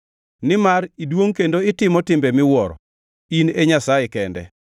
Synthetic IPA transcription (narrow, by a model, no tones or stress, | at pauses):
nɪmaridwoŋkendoɪtɪmɔtɪmbɛmɪwɔɾɔ̰ | ineɲasajɛkɛndɛ̰